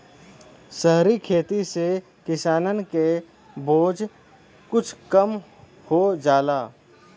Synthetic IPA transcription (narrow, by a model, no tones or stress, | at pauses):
səɦɾikʰeːt̪ise | kɪsaːnənke | boːd͡ʒ | kʊt͡ʃʰkəm | hod͡ʒaːlaː